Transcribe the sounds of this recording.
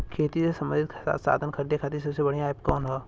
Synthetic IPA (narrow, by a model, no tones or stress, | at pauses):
kʰeːt̪isesɐməɾd̪ʱɪt̪kʰe̥sa̰ːt̪sa̰ːd̪ʱənkʰɐɾd̪ekʰaːt̪isɐbsebɐɽijãepkɔːnɦɛː